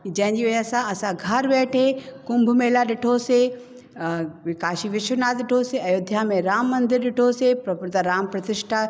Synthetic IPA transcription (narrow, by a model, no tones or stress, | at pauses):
d͡ʑɐ̃ɦɪ̃ɲd͡ʑiuəsãɐsãɡʱɐɾʋeːʈʰekʊ̃mbʱmeːlaɗɪʈʰose | ʋɪkaːʃiʋɪʃʋənaːt̪ɪʈʰoseɐjoːd̪ʱjamẽɾaːmːɐ̃nd̪ɪɾɗɪʈʰosepɾɐpʊɾt̪aɾaːmpɾɐt̪ɪʃʈʰa